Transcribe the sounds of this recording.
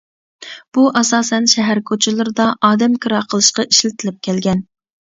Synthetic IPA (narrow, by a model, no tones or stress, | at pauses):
b̥uʔɑsɑːsɛnʃɛɦæɾkʰot͡ʃʰɪlˠɨɾɨd̪ɑʔɑːd̪ɛmkʰɨɾɑqʰəlˠɨʃqɑʔiʃlɪt̪ʰɪlɪp̚kʲʰɛlɡʲɛn